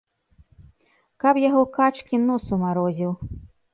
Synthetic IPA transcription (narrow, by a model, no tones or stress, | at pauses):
kapjaɣɔkat͡ʂkʲinɔsumaɾɔzʲiw